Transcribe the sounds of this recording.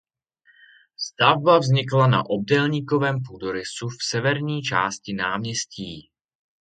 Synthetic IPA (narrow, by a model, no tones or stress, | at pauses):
st̪avbavzɲɪklana̰ʔo̞b̚dɛlɲiːko̞vɛːmpudoɾɪsufsɛvɛɾɲiːt͡ʃa̰ːscɪnaːmɲɛsciː